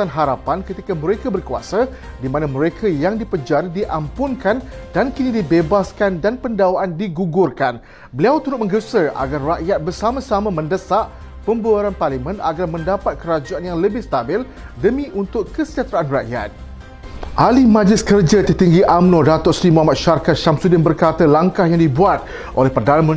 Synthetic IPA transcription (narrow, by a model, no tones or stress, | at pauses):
anɦaɾapankət̪ikaməɾekabərkua̰sa | dimãnãməɾekʰajaŋdipəd͡ʒardiʔampʊnkandankinidibebaskandanpəndawaʔandiɡuɡʊrkan | bəliawt̪uɾʊt̪̚mə̃ŋɡəsəʔa̰ɡarːaʔjat̪̚bərsamãsamãmə̃ndəsaʔ | pəmbuaɾanparlimə̃na̰ɡarmə̃ndapat̪̚kəɾad͡ʒaanjaŋləbɪhst̪abɪl | dəmĩʔunt̪ʊkkːəsəd͡ʒat̪ɾaʔanraʔja̰t̪̚ | ʔalimãd͡ʒlɪskərd͡ʒat̪ərt̪iŋɡiʔamnɔ̃dat̪ʊʔsɾimuɦamat̪̚ʃarkat̪̚ʃamsudɪnbərkat̪əlaŋkahjaŋdibuat̪̚ | ʔo̰lɛhpərdananmə